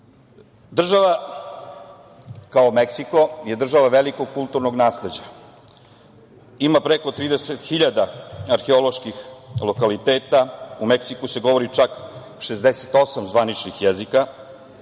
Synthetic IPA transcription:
d̪r̩ʒaʋa | kaomeksiko̞je̞d̪r̩ʒaʋaʋe̞liko̞ɡ̚kulˠt̪uɾnoɡnaːsle̞d͡ʑa | imapɾeko̞t̪ɾiːd̪eset̪xiʎad̪aaɾxeolo̞ʃkixlo̞kalit̪eːt̪aumeksikuse̞ɡo̞ʋo̞ɾit͡ʃak | ʃezd̪eset̪o̞samzʋanit͡ʃnixjezika

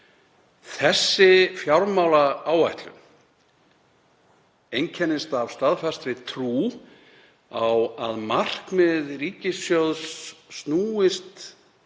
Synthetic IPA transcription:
θɛsːɪfjawɾmaːwlaaːwvajht̪lʏ̰m | ejɲncʰɛnːɪst̪av̥st̪aðfɛst̪ɾɪt̪ʰɾuː | awaðmar̥kmɪðriːcɪsjowðsːnuːɪst̪

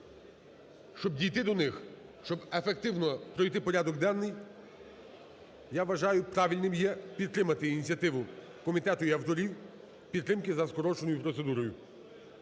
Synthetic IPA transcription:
ʃt͡ʃɔbdʲijt̪ɪd̪ɔnɪx | ʃt͡ʃɔbefek̚t̪ɪwnɔpɾɔjt̪ɪpɔɾʲad̪ɔɡd̪ɛnːɪj | jaʋɐʒɑjʊpɾɑʋʲilʲnɪmjɛpʲid̪̚t̪ɾɪmɐt̪ɪinʲit͡sʲjɐt̪ɪʋʊ | kɔmʲit̪ɛt̪ʊiɐwt̪ɔɾʲiw | pʲid̪t̪ːɾɪmkɪzɐskɔɾɔt͡ʃenɔjʊpɾɔt̪sed̪uɾɔjʊ

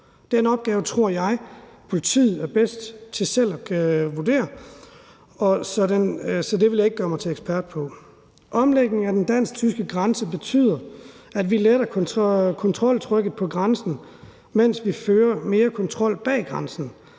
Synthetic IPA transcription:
d̥eɐnɒ̽b̥̚ɡ̥ɛːʊət͡sʰʁo̝ɐ̰jɑ̈ɪpʰo̝lit͡sʰḭːð̩ˠæɐb̥esd̥t͡sʰe̝sel̰ɒʋuɐd̥ḛːɐ | ɒ̽sɒ̽densɒ̽d̥e̝ʋe̝ljae̝ɡ̥̚ɡ̥ɶɐmɑ̈ɪt͡sʰe̝leɡspʰæɐd̥̚pʰɒ̽ | ʔɒ̽mleɡ̥̚ne̝ŋæd̥end̥æn̰s̚t͡sʰysɡ̥əɡ̥ʁɑnsəb̥e̝t͡sʰy̰ːðˠɐ | ædʋiled̥ɐkʰkʰɒ̽nt͡sʰʁɒ̽l̰t͡sʰʁœɡ̥ð̩ˠpʰɒ̽ɡ̥ʁɑnsn̩ | men̰sʋiføːɐme̝ːɐkʰɒ̽nt͡sʰʁɒ̽l̰b̥ɛ̰ːɡ̥ʁɑ̈nsn̩

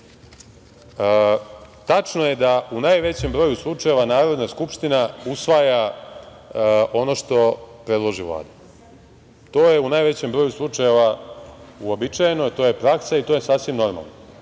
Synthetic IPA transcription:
t̪at͡ʂnoje̞d̪aunajʋe̞t͡ɕembɾoːjuslˠut͡ʂaje̞ʋanaːɾo̞d̪naskupʃt̪inausʋaja | ʔo̞no̞ʃt̪o̞pɾe̞d̪lˠo̞ʒiʋlˠa̰ːd̪u | t̪o̞ːjeunajʋe̞t͡ɕembɾojuslˠut͡ʂaje̞ʋa | uo̞bit͡ʂajenot̪o̞ːje̞pɾaksait̪ojesaːsʋimno̞ɾma̰lˠna

